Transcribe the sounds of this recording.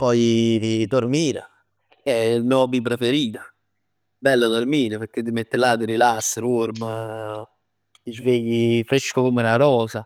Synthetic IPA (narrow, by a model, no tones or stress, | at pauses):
pɔjt̪id̪ormiːɾa̰ | ɛlnɔbip̬ɾefeɾiːt̪a | bɛlːad̪oɾmiːɾepeɾk̟ːed̪imet̪ːelad̪iɾilasːəɾuɾmə | izveːjifɾeʃkokomunaɾɔːsa